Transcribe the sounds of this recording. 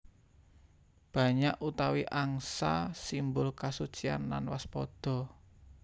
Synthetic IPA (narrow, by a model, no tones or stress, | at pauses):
b̥ä̤ɲaʔut̪awiʔaŋsasimbʊlkasut͡ʃia̰nla̰nwaspɔd̪̥ɔ̤